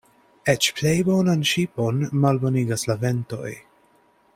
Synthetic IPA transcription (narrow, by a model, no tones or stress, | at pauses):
et͡ʃplejbo̞nanʃipo̞nmalbo̞niɡaslave̞nto̞̰j